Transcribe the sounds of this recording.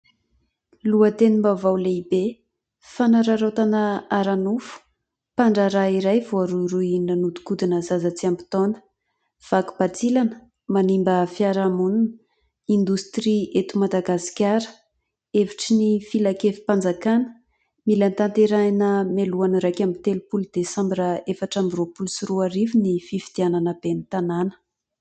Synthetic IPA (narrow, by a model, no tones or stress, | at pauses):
luət̪enimbavawleibe | fanaɾaɾot̪anəaɾanufu̥ | paɳɖ͡ʐaɾaiɾajvoaɾuɾuinanud̪u̥kud̪inəzazət͡siambi̥t̪onə̥ | v̥aku̥bat͡silanə̥ | manimbəfiaɾamununə | ind̪ust̪riet̪umad̪aɡasi̥kʲaɾə̥ | eviʈ͡ʂinifilakefi̥pand͡zakanə̥ | milant̪ant̪eɾanəmeluanəɾajkamit̪elupuld̪̥esambiraefaʈ͡ʂambiropulusuruaɾivinififid̪̥iananəbenit̪ananə̥